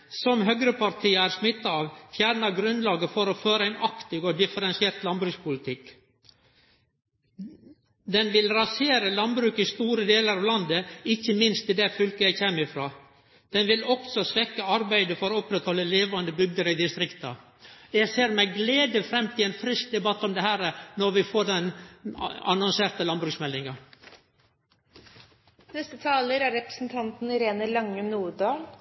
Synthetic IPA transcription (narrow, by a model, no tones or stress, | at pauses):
sɔmɦœɡɾəpʰɑɾt̪ʰiːəæːɾsmɪt̪ːɑɑʋfjæːɾɳɑɡɾʉnlɑːɡəfɔɾɔføːɾəæɪnʔɑkt̪ɪɡɔd̪ɪfəɾɛnsɪɛlt̪lɑnbɾʉːkspʊlɪt̪ʰɪk | d̪ɛnʋɪlɾɑseːɾəlɑnbɾʉːkɪst̪uːɾəd̪eːləɾɑʋlɑnd̪əɪçːəmɪnst̪ɪd̪æfʏlkəjæɪçeːmɪfɾɑː | d̪̥ɛnʋɪlɔksɔsʋɛkːəɑɾbæɪd̪əfɔɾɔɔpɾɛt̪hɔlːəleːʋɑnd̪əbʏɡ̚d̪əɾəɪd̪ɪst̪ɾɪkt̪ɑ | jæɪseːɾmæɪɡleːd̪əfɾɛmːt̪ʰɪlɛːnfɾɪsk̚d̪ɛbɑt̪ːɔmd̪ɛhæːɾənɔɾʋɪfoːɖɛn | ɑnɔnseːɾt̪əlɑnbɾʉːksmɛlːɪŋɑ | nɛst̪ət̪ʰɑːləɾæɾɾɛpɾə̥sn̩t̪ʰɑnt̪n̩ɪɾeːnəlɑŋːʉmnuːɖɑːl